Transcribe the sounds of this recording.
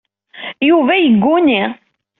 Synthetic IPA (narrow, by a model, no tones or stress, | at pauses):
juvæjəɡːuni